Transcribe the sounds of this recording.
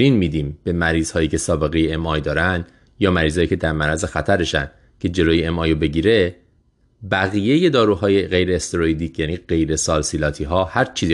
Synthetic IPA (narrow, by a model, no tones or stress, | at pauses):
ɾiːnmiːd̪iːmb̥e̞mæɾiːz̥hɒːjiːcʰe̞sɒːbe̞ɣe̞jeemɒːjd̪ɒːɾænd̪ | jɒːmæɾiːzɒːjiːcʰe̞d̪æɾmæɾæzexæt̪ʰæɾeʃæ̰n | cʰe̞d͡ʒe̞loːjeemɒːjobe̞ɟiːɾe̞ | bæɣije̞jed̪ɒːɾuːɦɒːjeɣe̞jɾeːst̪eɾoid̪iːcʰjæniːɢe̞jɾe̞sɒːlsilɒːt̪ʰiːɦɒːhæɾt͡ʃʰiːzi